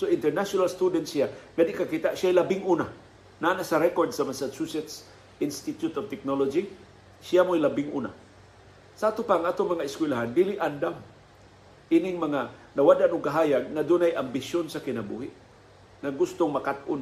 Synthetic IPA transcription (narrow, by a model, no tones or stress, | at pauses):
soɪnt̪ɛɹnaʃonalst̪ud̪ɛnt̪sijaŋad̪ɪʔkakit̪aʔsɪjajlabɪŋuna | naːnasaɾɛkoɹd̪samasasusɛt̪s | ʔɪnst̪ɪt̪jʊt̪ovt̪ɛk̚nolod͡ʒi | sijamojlabɪŋʔṵna̰ | saʔat̪ʊpaŋʔaːt̪oŋmɐŋaɪskwɪlaɦand̪ilɪʔand̪am | ʔinɪŋmaŋanawadanʊɡ̚kaɦaːjaɡ̚ŋad̪ʊnajʔambɪsonsakɪnabṵɦɪʔ | ŋaɡʊst̪ʊŋmakat̪ʔʊn